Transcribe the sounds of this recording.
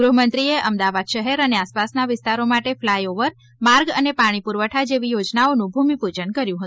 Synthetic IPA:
ɡɾuɦəmənt̪ɾieʔəmd̪aʋad̪ʃəɦɛɾəneaspasnaʋɪst̪aɾomaʈeflajoʋəɾ | maɾɡənepaɽ̃ipuɾʋəʈʰad͡ʒeʋijod͡ʒnaonũbʱumipud͡ʒəɳkəɾjũɦə̃

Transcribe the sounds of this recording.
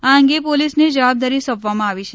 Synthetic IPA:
aəŋɡepolisned͡ʒəʋab̚d̪aɾisəbʱʋamãaʋit͡ʃʰe

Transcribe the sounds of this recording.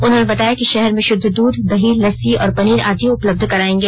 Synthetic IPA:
ʊnɦonebɐt̪aːjakiʃɛɦɛɾmẽʃʊd̪ʱːd̪uːd̪d̪ɐɦiːɐsiɔ̰ːɾpɐniːɾa̰ːd̪ʱiʊpləb̚d̪ʱkɐɾaːẽːŋɡeː

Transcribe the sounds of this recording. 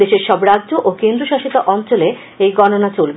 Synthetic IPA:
eʃeɾʃɔbɾadʑoʔokend̪ɾoʃaʃit̪aʔɔnt͡ɕole | ejɡɔnonat͡ɕolbe

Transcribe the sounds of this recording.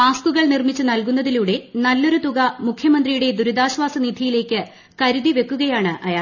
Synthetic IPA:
paːskuɣɐɭnirmit͡ɕːɨnɐlkunːɐðiluːɽe̞nɐlːo̞ɾut̪uɣɐmukʰjɐmɐnd̪rijuɽe̞d̪uɾud̪aːɕʋaːsɐnid̪ʱijile̞ːkːɨ | kɐɾuðiʋe̞kːuɣɐjaːɳɨʔɐjaː

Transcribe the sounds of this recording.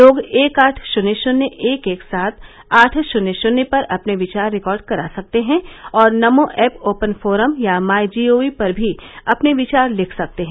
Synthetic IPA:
loːɡeːkaːʈʰʃʊneʃʊnjəʔeːkeːksaːt̪ʰ | aːʈʰʃʊnːəʃʊnepɐɾɐpneʋɪt͡ʃaːɾːɪkɔːɾɖ̚kɐɾaːsɐk̚t̪eɦɛ̃ɔːɾnɐmõʔɛːpoːpə̃nfoːɾəmjamaːjd͡ʒiːoːipɐɾbʱiɐpneʋɪt͡ʃaːɾlɪkʰsɐk̚t̪eɦɛ̃

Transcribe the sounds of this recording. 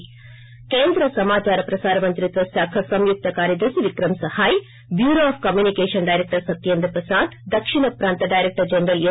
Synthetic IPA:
keːnd̪ɾɐsɐmaːt͡ʃaːɾɐpɾɐsaːɾɐmɐnt̪ɾɪt̪ʋɐsɐkʰɐsɐmjʊk̚t̪ɐkaːɾjɐd̪ɐsʋɪkɾɐmsɐhaːj | bjuːɾoaːfkɐmjuːnɪkeːʂɐnɖaɪɾɛk̚ʈɐɾsɐt̪ːijɐnd̪ɾpɐsaːd̪d̪ɐkʂɪɳɐpɾaːnt̪ɐɖaːɪɾɛk̚ʈɐɾd͡ʒɛnɾɐle

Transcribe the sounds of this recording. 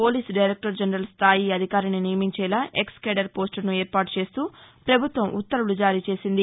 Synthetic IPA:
po̞ːliːsɖɐjɾek̚ʈɐɾd͡ʒɐnɾɐlst̪ʰaːjiɐd̪ʱikaːɾininijɐmiɲt͡ʃɛːlaːʔekskeːɖɐɾpoːsʈɐɾnuɛːɾpaːʈu̥t͡ʃe̞ːst̪uːpɾɐbʱut̪ʋɐmʔṵt̪ːɐɾulud͡ʒaːɾiːt͡ʃe̞ːsind̪i

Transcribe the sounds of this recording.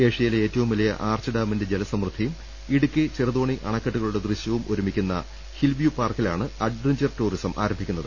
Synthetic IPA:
eːʂɐjileeːtːɐʋumʋɐlɐjɐ̰ʔaːrt͡ɕɨɖaːmɐnded͡ʑelɐsɐmrɨd̪ʱijm | iɽukʲːɨt͡ɕirɐðoːɳiʔɐ̰ɳɐkːɐʈːuɣɐɭuɽe̞d̪rɨɕjɐʋumoɾumikʲːunːɐ̰ | hilʋjupaːrkilaːɳɨɐɖʋeɲd͡ʑɐrtuːrisɐmʔa̰ːɾɐmbʱikʲːunːɐðɨ

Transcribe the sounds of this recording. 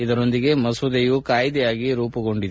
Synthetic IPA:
id̪ɐɾo̞nd̪iɡe̞mɐsɐd̪ejukaːjd̪ɛjaːɡiɾuːpɐɡo̞ɳɖid̪

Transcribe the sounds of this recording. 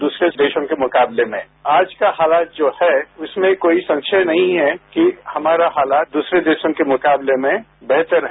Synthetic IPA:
d̪uːsɾed̪eːʃõkemʊkaːblemẽ | aːd͡ʒkahaːlaːt̪̚d͡ʒoːhɛʊsmẽkoːisɐ̃ŋkʃʰənɐɦĩɦɛkihɐmaːɾaɦaːlaːt̪̚d̪uːsɾed̪eːʃõkemʊkaːblemẽ | bɛɦt̪əɾɦ

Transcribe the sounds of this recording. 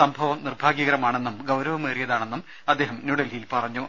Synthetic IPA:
sɐmbʱɐʋɐmnirbʱaːɡjiɣɐɾɐmaːɳe̞nːumɡɐwɾɐʋɐmeːrijɐðaːɳe̞nːum | ɐd̪ːeːɦɐmnuɽɐlilpɐrɐɲːu

